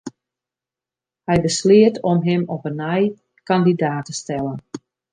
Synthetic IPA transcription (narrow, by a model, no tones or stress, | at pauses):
hɛjbəslɪətʰɔmɦɪmɔpənɛj | kɑndidaːtəstɛlən